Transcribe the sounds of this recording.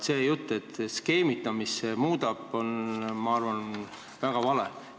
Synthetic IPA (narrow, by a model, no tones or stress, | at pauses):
se̞ːjut̪ːˑet̪ːske̞ːmit̪ˑːɑmisemuːd̪ɑb̥o̞nmɑɑrvɑn | væɡ̥ɑvɑle